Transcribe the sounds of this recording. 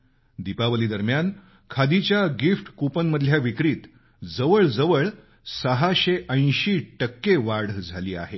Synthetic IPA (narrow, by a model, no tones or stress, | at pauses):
d̪ipaʋəliːd̪əɾmjan | kʰad̪it͡ɕjaɡifʈkupənməd̪ʱljaʋikɾiːt̪ | d͡zəʋəɭd͡zəʋəɭ | səɦaɕeʔə̃j̃ɕiːʈəkːeʋaɽd͡zʱaliːa̰ɦe